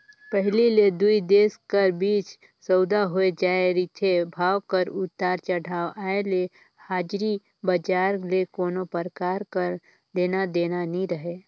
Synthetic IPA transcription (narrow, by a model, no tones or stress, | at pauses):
pəɦliled̪uid̪eːskəɾbiːt͡ʃ | səʊd̪aɦoed͡ʒaːeɾit̪ʰebʱaːwkəɾʊt̪ːaːɾt͡ʃəɽaːʋaːele | haːd͡ʒɾi | bəd͡ʒaːɾlekoːnopəɾkaːɾkəɾ | d̪eːnad̪eːnanĩɾəɦeː